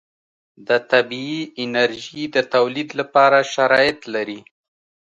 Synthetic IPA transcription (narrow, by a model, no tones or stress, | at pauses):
d̪ət̪abiiɪnaɾʒid̪ət̪awlid̪lapɑɾaʃaɾɑjɪt̪laɾi